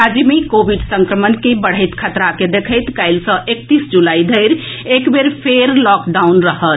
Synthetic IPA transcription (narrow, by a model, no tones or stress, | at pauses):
ad͡ʒimikobiɖsə̃ŋkɾəmənkebəɽ̤əɪt̪kʰət̪ɾaked̪ekʰəɪt̪kaɪlsə̃ʔekt̪isd͡ʒulaid̪ʱəɪɾekbeɾpʰeɾlɔkɖaunɾəɦət̪